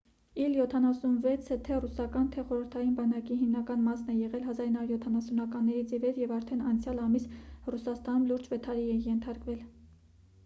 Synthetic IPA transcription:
iljɔt̪ʰɑnɑsunvɛt͡sʰət̪ʰɛrusɑkɑnt̪ʰɛχɔɾəɾt̪ʰɑjinbɑnɑkiɦimnɑkɑnmɑsnɛjɛʁɛlɦɑzɑɾinɑɾuɾjɔt̪ʰɑnɑsunɑkɑnːɛɾit͡sʰivɛɾjɛvɑɾt̪ʰɛnɑnt͡sʰjɑlɑmisrusɑst̪ɑnumluɾd͡ʒvɛt̪ʰɑɾiɛjɛnt̪ʰɑɾkvɛl

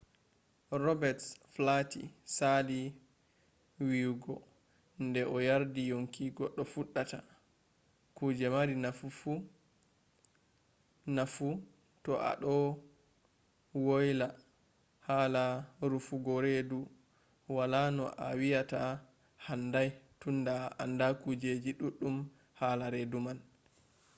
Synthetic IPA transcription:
rɔbɛtflatḭsali | wiwɡɔ | ndɛʔɔjaɾdijoŋkiɡɔɗːɔfuɗːata̰ | kud͡ʒɛmaɾinafufu | nafu | tɔʔa̰ɗɔ | wojla | haːlaɾufuɡɔɾedu | walanɔʔawijata | handajtundaa̰ndakud͡ʒed͡ʒiɗuɗːum | haːlaɾeduman

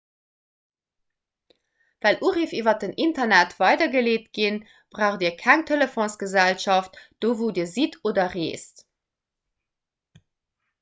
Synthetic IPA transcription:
vælʔuʁifivɐtənʔintɐnætv̥ɑɪdɐɡəleːt̚ɡ̥in | b̥ʁaʊχdiːɐkʰæŋtʰeləfõnsɡ̥əzælʃɑftd̥oːvoːdiːɐzitʰoːdɐʁḛːst

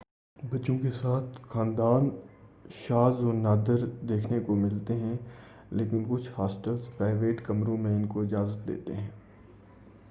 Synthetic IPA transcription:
bɐːt͡ʃõkesaːt̪ʰxaːnd̪aːn | ʃaːzɔːɾnaːd̪əɾd̪eːkʰnekomɪlt̪eɦɛ̃ | leːkɪnkʊt͡ʃʰhaːsʈəlzpɾaːɪʋeːʈkɐmɾõmẽɪnkoɪd͡ʒaːzət̪̚d̪ḛːt̪ḛɦɛ̃ː

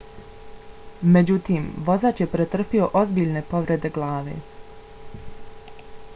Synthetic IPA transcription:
me̞d͡ʑut̪iːmʋo̞zaːt͡ʃjepɾet̪r̩pio̞ʔo̞zbiːʎne̞po̞ʋɾe̞d̪e̞ɡlaːʋe̞̰ː

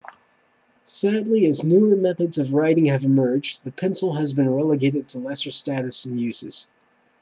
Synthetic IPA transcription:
sædˡliɨznʉə˞mɛθɨdzʌvɹaɪɾɪ̃ŋɨvɨmɜ˞d͡ʒðɨpʰɛ̃nsl̩ˠəzbɨ̃nɹɛlˠəɡeɪɾɨd̚tʰəlɛsə˞stæɾɨsn̩jʉz̥ɨ̰z̥

